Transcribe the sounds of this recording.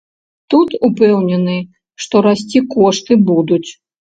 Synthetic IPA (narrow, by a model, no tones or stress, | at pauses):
t̪ut̪upɛwnʲɛnɨ | ʂt̪ɔɾasʲt͡sʲikɔʂt̪ɨbud̪ut͡sʲ